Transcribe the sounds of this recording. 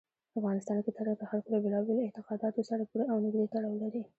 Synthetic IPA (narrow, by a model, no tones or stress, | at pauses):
pafɣɑnɪst̪ɑnket̪əɾap̪əxalkod̪əbɪlɑbɪlɪt̪ɪqɑd̪ɑt̪osaɾapuɾeawnəɡd̪et̪aɽɑwlaɾi